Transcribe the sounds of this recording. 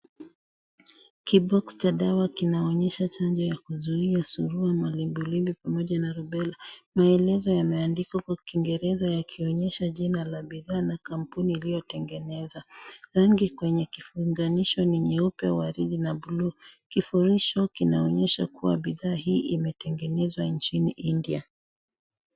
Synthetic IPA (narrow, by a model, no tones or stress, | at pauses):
kibɔkst͡ʃaɗawakinaɔɲɛʃat͡ʃand͡ʒɔjakuzuiasuɾuamalimbulimbipamɔʄanaɾubɛlamaɛlɛzɔjamɛandikakwaukiŋɡɛɾɛzajakʰiɔɲɛʃaʄinalaɓiðaːnakam̩puniːlijɔtɛŋɡɛnɛzaɾaŋɡikwɛɲɛkifuŋɡaniʃɔniɲiupɛ̰waɾiɗinabuluːkifuɾiʃɔkinaɔɲɛʃa̰kuwa̰ɓiðaːɦiːʔimɛtɛŋɡɛnɛzwant͡ʃiniʔindia